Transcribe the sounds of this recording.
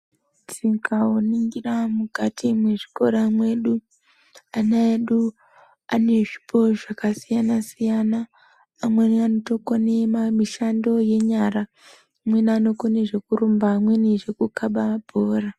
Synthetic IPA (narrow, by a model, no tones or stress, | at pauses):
t͡siŋkawoniŋɡiramukatʰimwe̞ʐi̥ko̞ɾamwe̞ɗu | anaeɗu | ane̞ʐipʰo̞ʐakasijanasijanaː | mwe̞niano̞to̞konemamiʃando̞je̞ɲara | mwe̞niano̞koneʐe̞kuɾumbamwe̞niʐe̞kukaɓabʱoːra